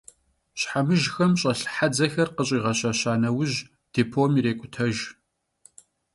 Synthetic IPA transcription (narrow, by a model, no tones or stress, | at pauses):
ɕħamɨʒxɐmɕʼɐɬħad͡zɐxɐrqəɕʼiːʁɐɕaɕaːnɐwʊʑ | d̥eːpʰoːmiɾeːkʷʼʊtʰɐʒ